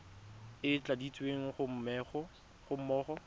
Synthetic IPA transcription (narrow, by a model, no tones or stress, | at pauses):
ɪt͡ɬʼadit͡sʼweŋ̩χʊm̩mɛχɔ | χʊm̩mɔːχɔ